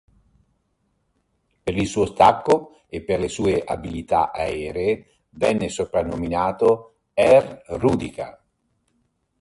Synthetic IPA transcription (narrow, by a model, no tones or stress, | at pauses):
peɾisuːost̪akːo | epːerlesuːeʔa̰bilit̪a̰ʔaɛːɾeː | vɛnːesopɾanːominaːt̪o | ɛrruːd̪ika̰